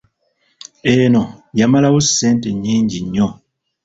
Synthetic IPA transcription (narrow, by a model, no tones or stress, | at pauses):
enojamalawusːe̞ːnteɲːiːɲɟiɲːo